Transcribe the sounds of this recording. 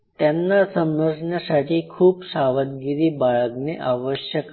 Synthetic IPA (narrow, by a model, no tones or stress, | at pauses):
t̪emnasəməɾsənasaʈ̪ʰikʰuːbsaʋət̪̚ɡiɾibaɭəkneʔaʋəʃjək